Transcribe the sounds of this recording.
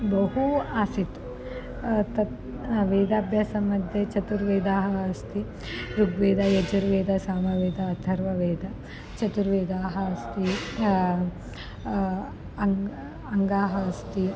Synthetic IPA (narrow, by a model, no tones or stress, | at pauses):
bɐɦuaːsit̪ | t̪ɐ | ʋeːd̪aːbʱjaːsɐmɐd̪ʱjɐt͡ʃɐt̪uɾʋeːd̪aːɦɐɐst̪ʰi | ɾuɡʋeːd̪ɐjɐd͡ʒɐɾʋeːd̪ʱɐsaːmɐʋeːd̪ɐːd̪ʱɐɾʋɐʋeːd̪ʱɐ | t͡ʃɐt̪uɾʋeːd̪aːɦɐɐst̪i | ɐ | ɐŋɡaːɦɐɐst̪i